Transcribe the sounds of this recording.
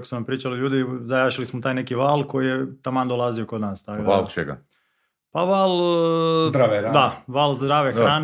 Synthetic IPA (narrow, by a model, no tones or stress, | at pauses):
ko̥sunampɾiːt͡ʃaliʎuːd̪izajaːʃilismot̪aːjne̞kiʋaːlˠkojijet̪amand̪olˠaziokod̪naːst̪akʋa̰lt͡ʃeɡa̰ | paʋaːl | d̪ɾaʋed̪aʋaːlˠzd̪ɾaːʋexɾaːn